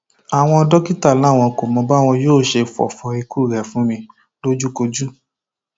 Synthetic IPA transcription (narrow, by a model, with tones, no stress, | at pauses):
a˨w̃ɔ̃˧ɔ˧dɔ˦ki˦ta˦˨la˨˦˨w̃ɔ̃˧ko˨mɔ̃˧ba˦˨w̃ɔ̃˧joː˦˨ʃe˧fɔ̰˨fɔ˧i˧ku˦˨ɾɛ˨fũ˨˦mĩ˧ | lo˦d͡ʒu˦ko˧d͡ʒu˦